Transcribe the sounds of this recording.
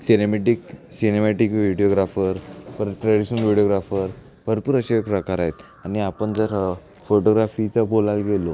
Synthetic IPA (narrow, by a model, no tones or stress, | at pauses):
sinemeʈiksinemaʈikʋiɽijoɡɾafəɾpəɾʈɾaɽiɕnəlʋiɽioɡɾafəɾ | bʱəɾpuːɾəɕeekpɾəkaɾaɦet̪ | aniapəɳd͡zəɾ | foʈoɡɾafit͡sabolalɡelo